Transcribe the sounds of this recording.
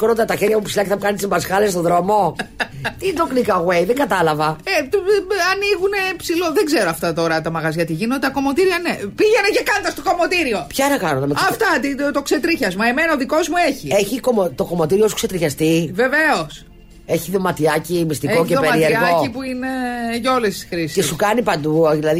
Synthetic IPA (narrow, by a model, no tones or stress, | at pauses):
koɾond̪ɐt̪ɐçeɾʝɐpupsilɐceθɐmukɐnit̪sibɐsxɐles̬t̪o̞ðɾo̞mo̞ | t̪id̪oklikɐɣwe̞jðeŋɡɐt̪ɐlɐvɐet̪ɐniɣune̞psiloðeɡzeɾoɐft̪ɐt̪o̞ɾɐt̪ɐmɐɣɐzʝɐt̪iʝinoet̪ɐko̞mo̞t̪iɾiɐnepiʝeneʝɐkɐnd̪ɐst̪oko̞mo̞t̪iɾio̞pçɐnɐkɐnonɐmeɐft̪ɐt̪it̪okset̪ɾiçɐzmɐemenɐoðiko̞zmueçieçiko̞mot̪o̞ko̞mo̞t̪iɾiosukse̞t̪ɾiçɐst̪ive̞ve̞os | eçiðo̞mɐt̪iɐcimist̪iko̞cepeɾieɾɣo̞ipuine̞ʝao̞lesi̥sxɾiskesukɐnipɐnd̪uðilɐði